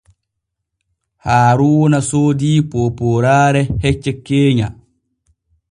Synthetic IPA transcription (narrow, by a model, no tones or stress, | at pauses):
haːɾuwɔnasoːdiːpoːpoːɾaːɾɛhɛt͡ʃːɛkːeːɲa